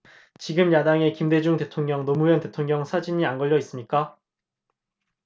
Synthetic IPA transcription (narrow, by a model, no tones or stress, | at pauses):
t͡ɕiɡɯmjadaŋe̞kimde̞d͡ʑuŋte̞tʰoŋɲʌŋnomujʌnte̞tʰoŋɲʌŋsʰad͡ʑiɲianɡʌʎjːʌis͈ɯmɲik͈a